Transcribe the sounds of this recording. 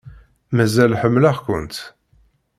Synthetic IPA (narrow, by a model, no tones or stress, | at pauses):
mæzælħəmːlaχkʷə̰nt̪